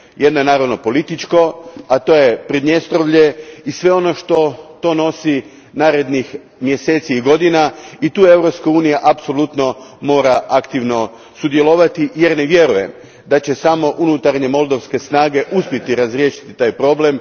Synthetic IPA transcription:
jed̪noenaːɾaʋno̞po̞lit̪it͡ʃko̞at̪o̞ːje̞pɾid̪ɲe̞st̪ɾoʋʎe̞isʋe̞o̞no̞ʃt̪o̞t̪o̞no̞si | naːɾe̞d̪nix | mje̞se̞ːt̪siiɡo̞d̪inait̪uːe̞ʋɾo̞pskauːnijaʔapso̞lut̪no̞mo̞ːɾaʔakt̪iʋno̞ | sud̪jelˠo̞ʋat̪ije̞ɾne̞ʋje̞ɾuje̞̰m | d̪at͡ɕe̞samo̞ʔunut̪aɾɲe̞mo̞lˠd̪oʋske̞snaːɡe̞ʔuspʲjet̪iɾazɾje̞ːʃi̥t̪it̪aːjpɾo̞ble̞m

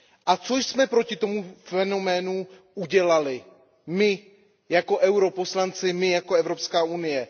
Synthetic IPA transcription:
ʔat͡soʃsmɛpɾo̞cɪt̪o̞mufɛno̞mɛːnu | ʔuɟɛlalɪ | mɪ | jako̞ʔɛwɾo̞po̞slant͡sɪmɪjako̞ɛvɾo̞pskaːʔunɪjɛ

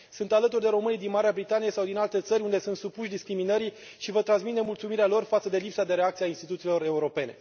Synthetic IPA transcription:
sunt̪alət̪urʲd̪e̞ɾo̞mɨnijd̪inmaɾeabɾit̪anijesawd̪inalt̪e̞t̪səɾʲund̪e̞sunt̪supuʃd̪iskɾiminəɾi | ʃivət̪ɾansmit̪emult̪sumiɾealo̞rfat̪səd̪e̞lipsad̪e̞ɾe̞ak̚t̪siainst̪it̪ut̪silo̞ɾe̞uɾo̞pe̞ne̞̰

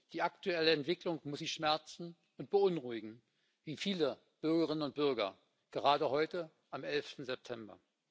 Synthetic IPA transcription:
d̥iːaktuɛləɛntv̥ɪklʊŋmʊsz̥içʃmɛɐt͡sn̩ | ʊntb̥əʊnʁʊɪɡŋ̩ | viːfiːlə | b̥ʏɐɡəʁ̞ɪnənʊnt̚b̥ʏɐɡɐ̰ | ɡ̥əʁaːdəhɔʏtə | ʔamʔɛlftn̩zɛp̚tʰɛmbɐ̰

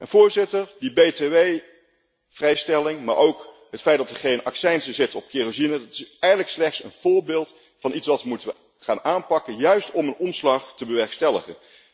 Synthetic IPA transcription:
ənvʊːɹzɪtəɹdibejteʋej | v̥rɛjstɛlɪŋma̰ːɹʔowk | ɦətfɛjt̚dɑtəχejnɑ̰ksɛjnzəzɪtɔp̚kɪrozinədɑtɪ̥sɛjχələkslɛχtsə̰nv̥ʊːɹbeːlˠt | fɑnʔitsʋɑtʋəmutəʋə | χaːnaːnpɑkənjœɥstɔmənɔmslɑχtəbəʋɛɹkstɛləχə̰n

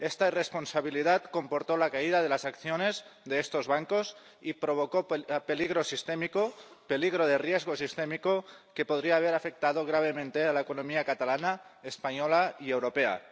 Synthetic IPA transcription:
est̪airesponsaβ̞iliðat̪kompoɾt̪olakaið̞aðe̞lasakθjonezðeest̪o̞zβaŋkos | ipɾoβ̞okope̞liɣ̞ɾo̞sist̪emikope̞liɣɾoð̞erjezɣ̞osist̪emikoke̞poð̞ɾiaːβ̞eɾafe̞k̚t̪að̞oɣ̞ɾaβ̞e̞mẽnt̪ealaekonomiakat̪alanaespaɲolaiewɾopea̰

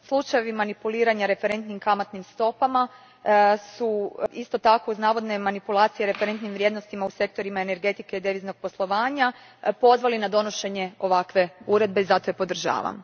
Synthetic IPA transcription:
slˠut͡ʃajeʋimanipuliːɾaɲaɾe̞fe̞ɾe̞nt̪nimkamat̪nimst̪o̞pama | suist̪o̞t̪ako̞uznaːʋo̞d̪ne̞manipulˠaːt̪sije̞ɾe̞feɾe̞nt̪nimʋɾje̞d̪no̞st̪imause̞k̚t̪o̞ɾimaene̞ɾɡe̞t̪ike̞id̪eʋizno̞ɡ̥̚po̞slˠo̞ʋaːɲa | po̞zʋalinad̪o̞no̞ʃe̞ɲe̞o̞ʋakʋe̞uɾe̞d̪̚be̞izat̪o̞epo̞d̪r̩ʒa̰ːʋa̰m

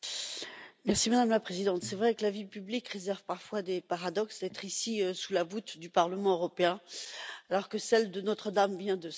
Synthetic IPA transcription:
mɛʁsimad̪amlapχezid̪ɑ̃t̪sɛvʁɛkəlavipyblikʁezɛʁvpaʁfwad̪epaʁad̪ɔksd̪ɛt̪χisiøsulavut̪d̪ypaʁləmɑ̃øʁɔpeɛ̃alɔʁkəsɛld̪ənɔt̪χəd̪amvjɛ̃d̪ə

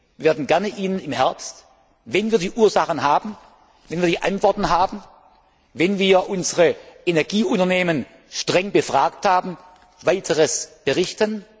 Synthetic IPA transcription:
veːɐdn̩ɡɛɐnəʔiːnənɪmhɛɐpst | vɛnviːɐdiːʔuːɐzaχən̩ɦaːbn̩ | vɛnviːɐdiːʔa̰ntv̥ɔɐtn̩ɦaːbn̩ | vɛnviːɐʔʊnzəʁəʔenɛɐɡiːʔʊntɐneːmən | ʃtʁ̥ɛŋbəfʁ̥aːkthaːbm̩ | vaɪtʰəʁəsb̥əʁɪçtən

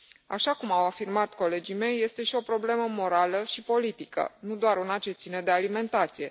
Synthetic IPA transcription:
a̰ʃakumawafirmat̪ko̞le̞d͡ʒime̞jːe̞st̪e̞ʃio̞pɾo̞ble̞məmo̞ɾaləʃipo̞lit̪ikə̰nud̪oaɾunat͡ʃe̞t̪sine̞d̪ealime̞nt̪at̪sije̞

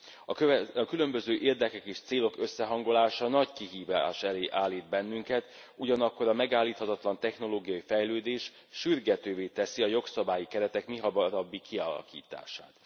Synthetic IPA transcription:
øɒkylø̞mbø̞zøːʔeːrd̪ɛkɛkeːʃt̪seːlo̞kø̞sːɛɦɒŋɡo̞laːʃɒnɒckiɦiːvaːʃɛleːʔaːlːiːd̪bɛnːyŋkɛt̪ | uɟɒnɒkːo̞ɾɒmɛɡaːlːiːt̪hɒt̪ɒt̪lɒnt̪ɛxn̪o̞loːɡijɒifɛjløːd̪eːʃ | ʃyrɡɛt̪øːveːt̪ɛsiɒjo̞ksɒbaːjikɛɾɛt̪ɛkmiɦɒbɒɾɒbːikʰiɒlɒ̰kḭːt̪a̰ːʃa̰ːt̪

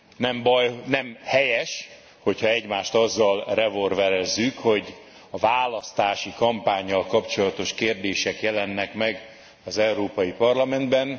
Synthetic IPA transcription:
nɛmbɒjnɛmhɛjɛʃ | ho̞chɒɛɟmaːʃt̪ɒzːɒlrɛvorvɛɾɛzːykho̞ɟ | ɒvaːlɒst̪aːʃikɒmpaːɲːɒlkɒpt͡ʃo̞lɒt̪o̞ʃkeːrd̪eːʃɛkjɛlɛnːɛkmɛɡ | ɒzɛuɾoːpɒjipɒrlɒmɛnd̪bɛn

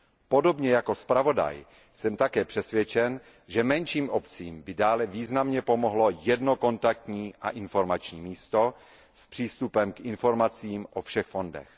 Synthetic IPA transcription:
po̞do̞bɲɛjako̞spɾavo̞da̰j | sɛmt̪akɛːpr̥ɛsvjɛt͡ʃɛn | ʒɛmɛnʃiːmʔopt͡siːmbɪdaːlɛviːznamɲɛpo̞moɦlo̞jɛdno̞ko̞nt̪ak̚t̪ɲiːʔa̰ʔɪnfo̞ɾmat͡ʃɲiːmiːst̪o | spr̝̥iːst̪upɛmkʔɪnfo̞ɾmat͡siːmʔofʃɛxfo̞ndɛ̰x

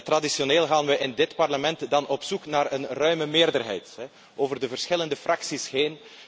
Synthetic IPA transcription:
tradisjoneːlˠɣaːnʋəʔɪndɪtpɑrləmɛntdɑnɔpsuknaːrənrœɥməmɪːrdərɦɛ̰jtɦɛ | ʔoːvərdəvərsxɪləndəfrʔɑksisheːn

